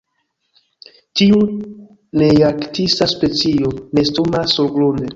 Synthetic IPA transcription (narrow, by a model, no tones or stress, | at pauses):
tiu | nejaktisaspe̞t͡sione̞stomasolɡlonde